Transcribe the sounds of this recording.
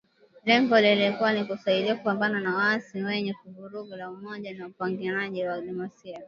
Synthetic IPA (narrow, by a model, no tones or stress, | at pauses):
lɛŋɡɔlililikuwanikusaiɗiakupambananawaasiwɛɲɛkuvuɾuɡulaumɔʄanaupaŋɡiɾaʄiwalimasia